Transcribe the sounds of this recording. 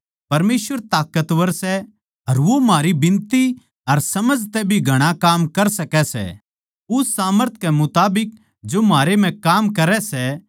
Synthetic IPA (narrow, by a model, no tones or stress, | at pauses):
pɐɾmeːsʋəɾt̪aːkət̪ʋəɾsɛ | ɐɾʋomaːɾibɪ̃nt̪i | ɐɾsɐməd͡ʒt̪ɛbʱiɡʱɐɽ̃akaːmkɐɾsɐkɛsɛ̰ | ʊssaːməɾt̪̚ʰkɛmʊt̪aːbɪk̚ | d͡ʒomaːɾem̤ɛ̃kaːmkɐɾɛsɛ